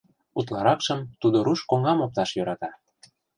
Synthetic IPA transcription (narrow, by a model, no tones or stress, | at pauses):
ut̪lɑɾɑkʃəmt̪ud̪oɾuʃkoŋɑmop̚t̪ɑʃjøɾɑt̪ɑ